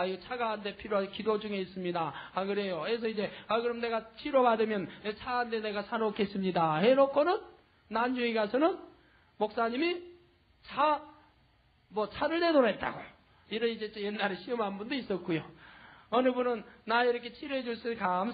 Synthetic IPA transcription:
aiɡot͡ɕʰaɡaande̞pʰiɾjoakidod͡ʑuŋe̞is͈ɯmɲidaakɯɾe̞joɦes̬ʰʌid͡ʑe̞akɯɾʌmne̞ɡat͡ɕʰiɾobadɯmjʌnet͡ɕʰaɡande̞ne̞ɡasʰaɾok͈e̞s͈ɯmɲidahe̞ɾokʰonɯnː | and͡ʑuiɡasʰʌnɯn | mok̚s͈aɲimi | t͡ɕʰa | mwʌt͡ɕʰaɾɯɭde̞doɾɦet̚t͈a̰ɡo | iɾʌid͡ʑe̞t͡ɕjenːaɾeɕʰiʌmɦanbundois͈ʌt̚k͈ujoʌnɯbunɯnːaiɾʌkʰe̞t͡ɕʰiɾoɦe̞d͡ʑuɭs͈ɯekams

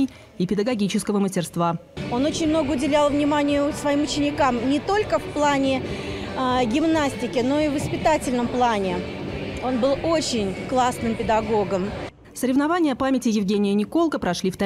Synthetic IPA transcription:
ɪj | ɪpʲɪd̪əɡɐɡʲit͡ɕɪskəvəməsʲtʲɪrst̪vao̞no̞t͡ɕɪnʲmno̞ɡəʊdʲɪlʲalˠvnʲɪmanʲɪjʊsvɐimʊt͡ɕɪnʲɪkamnʲɪt̪o̞lʲkəfplˠanʲɪ | ɡʲɪmnasʲtʲɪkʲɪno̞ɪvəspʲɪt̪atʲɪlʲnəmplˠanʲɪ | o̞nbɨlˠo̞t͡ɕɪnʲklˠasnɨmpʲɪd̪ɐɡo̞ɡəm | səɾʲɪvnɐvanʲɪjəpamʲɪtʲɪjɪvɡʲenʲɪjənʲɪko̞lˠkəpɾɐʂlʲift̪ɐ

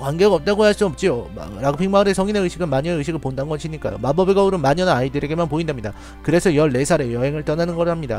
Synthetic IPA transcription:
kwanɡeɡaʌp̚t͈aɡojaɭs͈uʌp̚t͡ɕ͈iom̰ɾaɡɯpʰiŋmaɯɾesʰʌŋineɯɕʰiɡɯnmaɲʌɯɕʰiɡɯɭpondannɡʌɕʰiɲik͈a̰jo̰mabʌbiɡauɾɯnmaɲʌnaaidɯɾe̞ɡe̞manpoindamɲida | kɯɾe̞sʰʌjʌɭːe̞sʰaɾe̞jʌɦe̞ŋɯɭt͈ʌnanɯnɡʌɾɯɭhamɲida̰

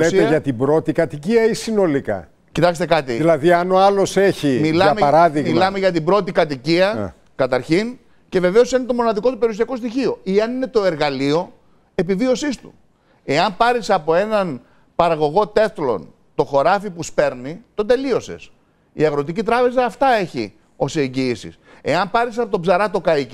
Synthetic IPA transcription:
lesieʝɐt̪ibɾo̞t̪ikɐt̪iciɐisino̞likɐ̰ | cit̪ɐkst̪ekɐt̪ḭðilɐðiɐno̞ɐlo̞seçimilɐmeɐɾɐðiɣmilɐme̞ʝɐt̪ibɾo̞t̪ikɐt̪iciɐ̰ | kɐt̪ɐɾçin | ce̞ve̞ve̞o̞sinet̪o̞mo̞nɐðiko̞t̪upe̞ɾiuos̬iɐko̞s̬t̪içio̞ieɐnine̞t̪o̞e̞ɾɣɐlio̞ | e̞pivio̞sist̪u̥̰ | e̞ɐmpɐɾisɐpo̞e̞nɐn | pɐɾɐɣo̞ɣo̞t̪e̞θlo̞̰n | t̪o̞xo̞ɾɐfipuspe̞ɾnit̪o̞d̪e̞lio̞se̞̰s | ḭɐɣɾo̞t̪icit̪ɾɐpe̞zɐːft̪ɐe̞çḭ | o̞seɲɟiisḭs | e̞ɐmpɐɾisɐpot̪o̞bzɐɾɐt̪o̞kɐii

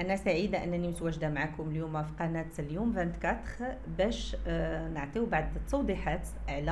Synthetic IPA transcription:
ʔænæsaʕid̪aʔənːænimt̪wæʒd̪amaʕakʊməljumæfi̥qɑnæt̪ljumvænt̪kɑt̪ʁbæʃnəʕt̪ˤiwbaʕd̪t̪ːɑwd̪ˤiħat̪ʔʕlæ

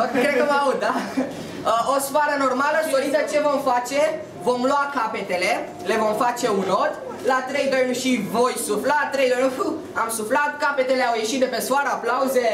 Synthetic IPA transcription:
okɾed̪kəmaua | əosfaɾəno̞rmaləʃid̪oɾit̪sət͡ʃe̞vo̞mfat͡ʃe̞ | vo̞mloakape̞t̪e̞le̞ | le̞vo̞mfat͡ʃe̞unot̪ | lat̪ɾe̞jd̪ojnʲʃivo̞jsuflat̪ɾejd̪on | amsuflat̪kape̞t̪e̞le̞awje̞ʃit̪̚d̪epe̞sfoaɾəaplauze̞

